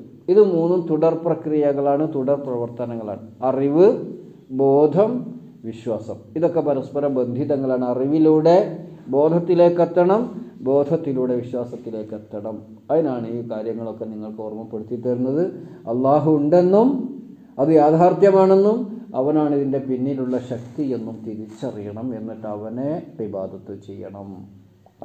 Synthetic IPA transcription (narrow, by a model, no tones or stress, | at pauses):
iðɨmuːnːumt̪uɽɐrprɐkrijɐɣɐɭaːɳɨt̪uɽɐrprɐʋɐrt̪ɐnɐŋːɐɭa̰ːɳɨɐriʋɨ | bo̞ːd̪ʱɐm | ʋiɕwaːsɐmiðo̞kːe̞pɐɾɐspɐɾɐmbɐnd̪ʱiðɐŋːɐɭaːɳɐriʋiluːɽe̞bo̞ːd̪ʱɐt̪ːile̞ːkːɐt̪ːɐɳɐmbo̞ːd̪ʱɐt̪ːiluːɽe̞ʋiɕwaːsɐt̪ːile̞ːkːɐt̪ːɐɳɐm | ɐðinaːɳiːkaːɾjɐŋːɐɭo̞kːe̞niŋːɐɭkɨoːrmɐpːeɽut̪ːiʈːɐɾunːɐðɨɐlːaːɦuuɳɖe̞nːum | ɐðɨjaːd̪ʱaːrt̪jɐmaːɳe̞nːumɐʋɐnaːɳiðinde̞pinːiluɭːɐɕɐk̚t̪ije̞nːumt̪iɾit͡ɕːɐrijɐɳɐme̞nːiʈːɐʋɐnepibaːd̪ʱɐt̪ːɨt͡ɕḛjːɐ̰ɳɐm